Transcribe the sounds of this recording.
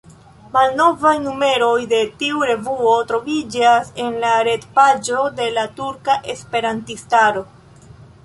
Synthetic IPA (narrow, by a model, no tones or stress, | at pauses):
malno̞vajnume̞ɾo̞jde̞tiuɾe̞vuo̞tɾo̞vid͡ʒase̞nlaɾe̞tpad͡ʒo̞de̞latuɾkaʔe̞spe̞ɾantistaɾo̞